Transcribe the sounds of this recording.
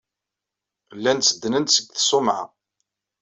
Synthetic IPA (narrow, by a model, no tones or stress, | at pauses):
lːænt͡sːəd̪ːnənt̪səɡθsʊmʕa̰